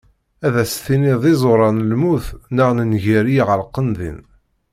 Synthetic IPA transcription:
æðæsθiniðˤɪzˤoɾˤɑnlmuθnəʁnənʝiɾijʁəlqːənðḭn

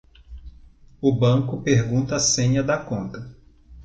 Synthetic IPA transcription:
ʊbɐ̃kʊpeɾɡũnt̪ɐːsẽɲɐd̪ɐkõnt̪ɐ

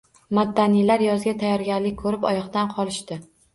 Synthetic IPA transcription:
mad̪ːanijlaɾjɒzɡʲat̪ʰajɒɾɡʲaɾlɪkʲkʰːɵɾɪpɒ̰jɒχd̪anqʰɒlˠɪʃt̪ɪ

